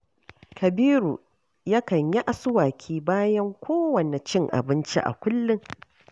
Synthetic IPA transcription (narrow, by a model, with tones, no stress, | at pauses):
kʰɐ˨biː˦ɾu˨ | ja˦kɐ˨ɲja˦ʔa˨sʊ˦waː˨kʲʰiː˦baː˦jɐ˦ŋkʷoː˦wɐ˨ne˨t͡ʃɪ˦ŋʔa̰˨bɪ˦nt͡ʃḭ˦ʔa̰˨kʷʊ˦lːɪ˦ŋ